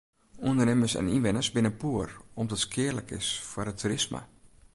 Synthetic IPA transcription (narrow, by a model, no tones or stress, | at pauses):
undərnɪməsɛ̰ninʋɪnəsbɪnəpuərɔmdɔtskʰɪərlə̰kʰɪ̰sfwərətʰːuɾɪsmə̰